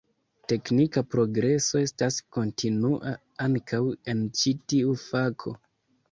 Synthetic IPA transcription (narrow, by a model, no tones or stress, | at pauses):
te̞knikapɾo̞ɡɾe̞so̞e̞stasko̞ntʰinuʔa | aŋkʰawe̞nt͡ʃitiufakʰo̞̰